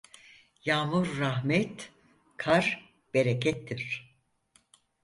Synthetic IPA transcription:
jaːmuɾːaɦmɛt̪ | kʰaɾ | b̥eɾecʰɛt̪ʰːiɾ̥

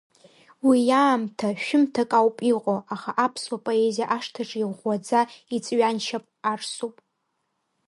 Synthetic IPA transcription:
wijaːmtʰaʃᶣʊmtʰakʼawpʼiqʼoaχaʔapʰswapʼo̞e̞zijaʔaʂtʰaʈ͡ʂʼiʁʷad͡zait͡sʼɥanʃapʼarsupʼ

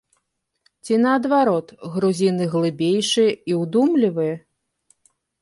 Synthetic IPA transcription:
t͡sʲinɐːd̪vaɾɔt̪ɣɾuzʲinɨɣlˠɨbʲejʂɨjɛiwd̪umlʲivɨjɐ

